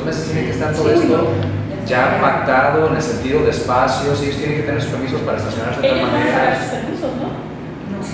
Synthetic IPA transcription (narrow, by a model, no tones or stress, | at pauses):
zme̞s̬est̪jeneŋkest̪anp̪oβessend̪o | ʝapak̚t̪aðo̞enelse̞nt̪iðoðe̞spasjo̞siejost̪jene̞ŋkeeneɾsu̥spe̞ɾmis̬o̞spaɾaest̪asjo̞naɾseamaeasu̥speɾmisozno | n